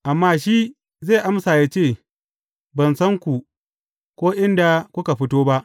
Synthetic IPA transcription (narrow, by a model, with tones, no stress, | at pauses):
ʔa˨mːaː˦ʃiː˦ | ze˦˨ʔa˦msaː˨jaː˦t͡ʃeː˦˨ | bɐ˨nsɐ˦ŋkʷu˨ | kʷoː˦ʔɪ˦nda˨kʷʊ˦ka˨ɸɪ˦toː˦ba˦ʔ